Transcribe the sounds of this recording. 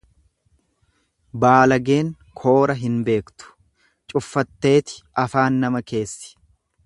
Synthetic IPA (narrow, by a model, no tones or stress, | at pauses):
baːlɐɡe̞ːŋ | kʰo̞ːɾɐɦɪnbe̞ːkt̪ʊ̥ | t͡ʃʼʊfːɐt̪ːe̞ːt̪ɪ̥ɐfaːnːɐmɐke̞ːsːɪ̥